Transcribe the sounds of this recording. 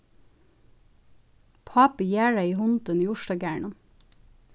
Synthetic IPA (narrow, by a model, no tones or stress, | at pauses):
pʰɑːpəjæːɹɑiːhɔnt̪əniːʊʃdɑːɡæːɳən